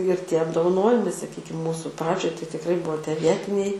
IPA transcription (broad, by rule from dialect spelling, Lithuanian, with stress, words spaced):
ɪr ˈtʲiɛ ɐbdoːʋˈɑːnoːjɪmɐɪ sɐˈkʲiːkʲɪm ˈmuːsʊ ˈprɑːd͡ʒʲoːj tɐɪ tʲɪkˈrɐɪ ˈbuɔ tʲiɛ ˈʋʲiɛtʲɪnʲɛɪ